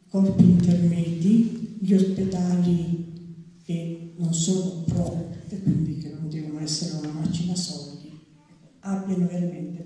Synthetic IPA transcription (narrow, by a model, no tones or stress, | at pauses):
kɔrpint̪ermɛd̪iʎiosped̪aːli | kenonsoːnoupɾɔt̪ekːwind̪ikepod̪evonoɛsːeɾeunamat͡ʃːinasɔla | abjanoveɾament̪e